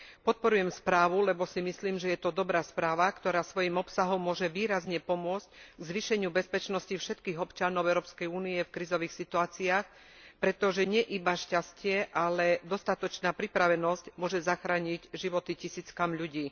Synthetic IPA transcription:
pɔt̪̚pɔɾujɛmspɾaːʋulɛbɔsimisliːmʒɛjɛt̪ɔd̪ɔbɾaːspɾaːʋakt̪ɔɾaːsʋɔjimɔpsaɦɔmːʊɔʒɛʋiːɾazɲɛpɔmʊɔt͡sc̚ɡzʋiʃɛɲɪubɛspɛt͡ʃnɔscifʃɛt̪kiːɣɔpt͡ʃanɔʊɛʊɾɔːpskɛjuːniɛfkɾizɔʋiːxsit̪uaːt͡siaːx | pɾɛt̪ɔʒɛɲɛʔibaʃcascɪɛʔalɛd̪ɔst̪at̪ɔt͡ʃnaːpɾipɾaʋɛnɔscmʊɔʒɛzaxɾaːɲiɟʒiʋɔt̪icisiːt͡skamʎuɟiː

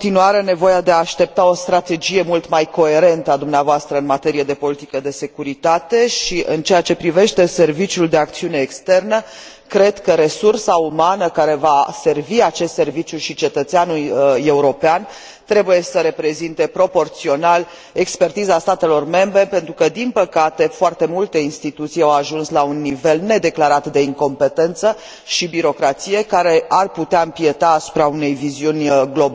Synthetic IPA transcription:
ot̪inuaɾe̞ne̞vo̞jad̪e̞aːʃt̪e̞p̚t̪ao̞st̪ɾat̪e̞d͡ʒije̞mult̪majko̞e̞ɾe̞nt̪əad̪umneavoast̪ɾəɨnmat̪e̞ɾijed̪e̞po̞lit̪ikəd̪e̞se̞kuɾit̪at̪e̞ʃiʔɨnt͡ʃeat͡ʃe̞pɾive̞ʃt̪e̞se̞rvit͡ʃjuld̪e̞ak̚t̪siune̞ːkst̪e̞rnə | kɾe̞d̪kəɾe̞sursaumanəkaɾe̞vase̞rviat͡ʃe̞st̪se̞rvit͡ʃjuʃit͡ʃe̞t̪ət̪seanuje̞uɾo̞pean | t̪ɾe̞buje̞səɾe̞pɾe̞zint̪e̞pɾo̞po̞rt̪sio̞nal | e̞kspe̞rt̪izast̪at̪e̞lo̞rme̞mbɾe̞pe̞nt̪ɾukəd̪inpəkat̪e̞foart̪e̞mult̪e̞inst̪it̪ut̪sijawaʒunslaunːive̞lne̞d̪e̞klaɾat̪d̪e̞iŋko̞mpe̞t̪e̞nt̪sə | ʃibiɾo̞kɾat̪sije̞kaɾe̞arput̪eaɨmpie̞t̪aːsu̥pɾaune̞jviziunʲɡlo̞b

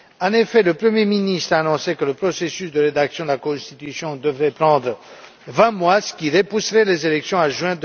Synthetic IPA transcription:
ɑ̃nefɛləpχəmjeminist̪χaːnɔ̃sekələpχɔsesysd̪əʁed̪aksjɔ̃d̪əlakɔ̃st̪it̪ysjɔ̃d̪əvʁɛpʁɑ̃d̪ʁə | vɛ̃mwasə̥kʲiʁepusʁɛlezelɛksjɔ̃aʒwɛ̃

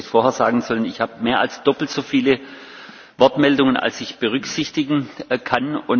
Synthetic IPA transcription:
ɪçfoːɐheːɐz̥aːɡŋ̩zɔlənɪçhaːbəmeːɐʔa̰lsd̥ɔpl̩tz̥ofiːlə | vɔɐtmɛldʊŋənʔa̰lsɪçb̥əʁʏkz̥ɪçtɪɡŋ̩kʰanʊn

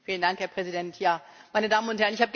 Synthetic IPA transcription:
fiːləndaŋkhɛɐpʁ̥ɛzidɛntʰjaːmaɪnədaːmənʊnthɛɐnɪçhaːbəɡ

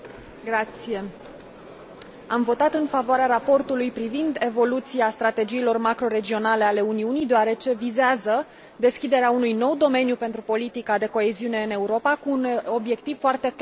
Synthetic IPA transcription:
ɡɾat̪sije̞ | amvo̞t̪at̪ɨnfavoaɾeaɾapo̞rt̪ulujpɾivind̪e̞vo̞lut̪siast̪ɾat̪e̞d͡ʒiːlo̞rmakɾo̞ɾe̞d͡ʒio̞nale̞ale̞uniunijd̪oaɾe̞t͡ʃe̞vizeazə | d̪e̞skʲid̪e̞ɾeaunujno̞wd̪o̞me̞njupe̞nt̪ɾupo̞lit̪ikad̪e̞ko̞e̞ziune̞ɨne̞uɾo̞pakuːno̞bje̞kt̪iv̥foart̪e̞k

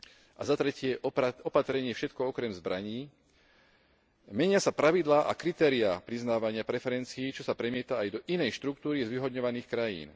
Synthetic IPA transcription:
ʔa̰zat̪ɾɛcɪɛɔpat̪ɾɛɲɪɛfʃɛt̪kɔɔkɾɛmzbɾaɲiː | mɛɲɪasapɾaʋid̪laːʔa̰kɾit̪ɛːɾiapɾiznaːʋaɲɪapɾɛfɛɾɛnt͡siiːt͡ʃɔsapɾɛmɪɛt̪aːjd̪ɔʔinɛjʃt̪ɾukt̪uːɾizʋiɦɔd̪ɲɔʋaniːxkɾajḭːn

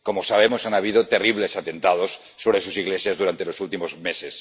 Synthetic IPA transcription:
komosaβ̞emosanaβ̞iðot̪eriβ̞le̞sat̪ent̪aðosːoβ̞ɾesusiɣlesjazðuɾant̪elosult̪imozmeses

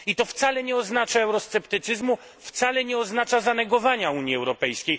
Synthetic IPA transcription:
it̪ɔft̪salɛɲɛɔznat͡ʂaɛwɾɔst̪sɛpt̪ɘt̪sɘzmu | ft̪salɛɲɛɔznat͡ʂazanɛɡɔvaɲauɲjiɛwɾɔpɛjskʲej

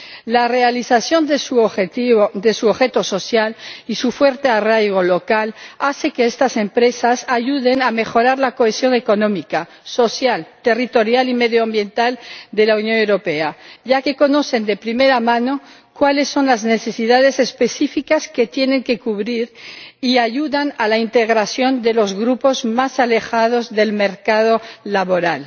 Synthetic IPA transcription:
lare̞aliθaθjo̞nd̪esuoeid̪e̞suoβxe̞t̪o̞so̞sjalisufwe̞ɾt̪e̞arajɣo̞lo̞kalaθe̞keest̪ase̞mpɾe̞sasaʝuð̞e̞name̞xo̞ɾaɾlako̞esjo̞ŋe̞ko̞nõ̞mika | so̞sjalt̪e̞rit̪o̞ɾjalime̞ðjoambje̞nt̪ald̪e̞launjõ̞newɾo̞pe̞aʝake̞ko̞no̞θe̞nd̪e̞pɾime̞ɾamãno̞ | kwale̞sːo̞nlazne̞θe̞siðaðe̞se̞speθifikaske̞t̪je̞ne̞ŋke̞kuβɾiɾiaʝuðanalaint̪eɣɾasjo̞nd̪e̞lo̞zɣɾupo̞zmasale̞xað̞o̞zðe̞lmeɾkaðo̞laβo̞ɾal

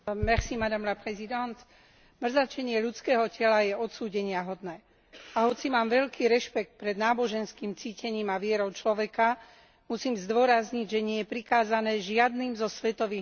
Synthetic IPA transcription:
mɛxsimad̪amlapɾɛzid̪ant̪ | mr̩zat͡ʃɛɲɪɛʎutt͡skɛːɦɔcɛlajɛɔt̪suːɟɛɲɪaɦɔd̪nɛː | aɦɔt͡simaːmʋɛʎkiːɾɛʃpɛk̚t̪̚pɾɛd̪naːbɔʒɛnskiːmt͡siːcɛɲiːmaʋɪɛɾɔʊt͡ʃlɔʋɛka | musiːmzd̪ʊɔɾazɲiɟʒɛɲɪɛjɛpɾikaːzanɛːʒɪad̪niːmzɔsʋɛt̪ɔʋiː

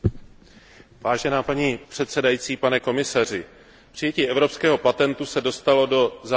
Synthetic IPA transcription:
vaːʒɛnaːpaɲipr̝̥ɛt̪sɛdajit͡siːpanɛko̞mɪsar̝ɪ | pr̥ɪjɛciːʔɛvɾo̞pskɛːɦo̞pat̪ɛnt̪usɛdo̞st̪alo̞do̞za

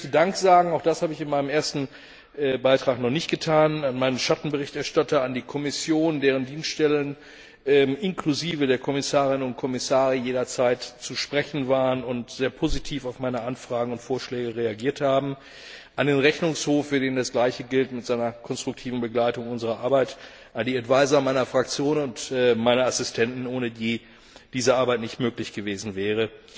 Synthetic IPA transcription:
ɛçtədaŋkz̥aːɡŋ̩aʊxd̥ashaːbəɪçɪnmaɪnəmʔeːɐstn̩ | ʔɛːbaɪtʁ̥aːknɔχnɪçtɡ̥ətʰaːnanmaɪnənʃatn̩bəʁɪçtɛɐʃtatɐandiːkʰɔmɪsjoːndeːʁ̞əndiːnsttɛlən | ʔɛːmʔɪnkluziːvədeːɐkʰɔmɪsaːʁɪnənʊntkʰɔmɪsaːʁəjeːdɐt͡saɪtt͡suʃpʁ̥ɛçn̩vaːʁənʊntz̥eːɐpʰoːzitʰiːfaʊfmaɪnəʔanfʁ̥aːɡŋ̩ʊntfoːɐʃlɛːɡəʁeaɡiːɐthaːbm̩ | ʔandeːnʁɛçnʊŋshoːfːyːɐdeːndasɡ̥laɪçəɡɪltmɪtz̥aɪnɐkʰɔnstʁ̥ʊk̚tʰiːvn̩bəɡlaɪtʊŋʔʊnzəʁɐʔaɐbaɪt | ʔandiːɛdv̥aɪzɐmaɪnɐfʁ̥akt͡sjoːnnʊntɛmaɪnɐasɪstʰɛntn̩ʔoːnədiː | d̥iːzəʔaɐbaɪtnɪçtmøːklɪçɡ̥əveːzn̩vɛːʁ̞ə

